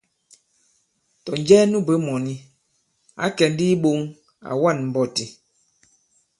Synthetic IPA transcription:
tɔ˨n˦d͡ʒɛː˦nu˦˨be˨˦mɔ˨ni˦ | a̰˦kɛ˨n˦di˦ɓo˦ŋ | a̰˨wa˦˨nm̩˨bɔ˦˨ti˨

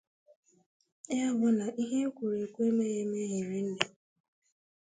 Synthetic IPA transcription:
ja˦bʊ˦na˨ʔi˦ɦe˦kʷu˨ɾe˨kʷe˦me˦je˦me˦ɦe˨ɾi˦n̩˦ne˨

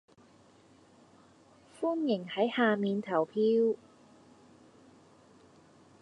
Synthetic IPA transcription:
fuː˥njɪ˨˩ŋhɐ˨˥jhaː˨˧miː˨˧nt̪ʰɐ˨˩wpʰiː˥w

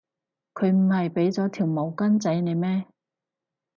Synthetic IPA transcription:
kʰɵ˨˧ɥm̩˨˩hɐ˨jpe˨˥jt͡sɔː˨˥t̪ʰiː˨˩wmo˨˧wkɐ˥nt͡sɐ˨˥jne˨˧jmɛː˥

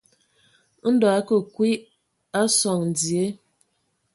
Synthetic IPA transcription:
n̩˦dɔ˨a˦kə˨kwi˦ | a˦sɔ˨ŋn̩˨d͡zi˨e˦

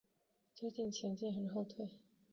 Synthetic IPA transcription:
t͡swe˥˧ɪt͡ɕi˥˩ŋt͡ɕʰjɛ˧˥nt͡ɕi˥˩nxə˨˩nxo˥˧ʊt̪ʰwe˥˩ɪ

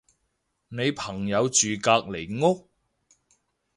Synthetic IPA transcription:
ne˨˧jpʰɐ˨˩ŋjɐ˨˧wt͡ʃyː˨kaː˧k̚le˨˩jŋʊ˥k̚

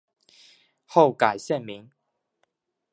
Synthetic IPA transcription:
ho˥˨wka˨˩jɕjɛ˥˨nmi˨˦ŋ

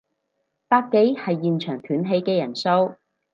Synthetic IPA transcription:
paː˧˥t̚ke˨˥jhɐ˨jːiː˨nt͡ʃʰœː˨˩ŋt̪ʰyː˨˥nɦe˧jkɛː˧jɐ˨˩nso˥w

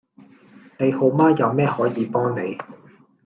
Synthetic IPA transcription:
ne˨˧jho˨˥wmaː˥jɐ˨˧wmɛː˥hɔː˨˥jiː˨˧pɔː˥ŋne˨˧j

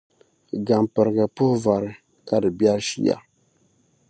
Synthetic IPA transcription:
ɡa˨mpɨ˨ɾɨ˨ɡɨ˨pʊ˦hva˨ɾɨ˦ | ka˦dɨ˨bɛ˦ɾʃḭ˦ja̰˨

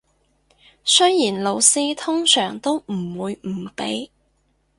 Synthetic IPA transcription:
sɵ˥jjiː˨˩nlo˨˧wsiː˥t̪ʰʊ˥ŋsœː˨˩ŋt̪o˥wm̩˨˩wuː˨˧jm̩˨˩pe˨˥j

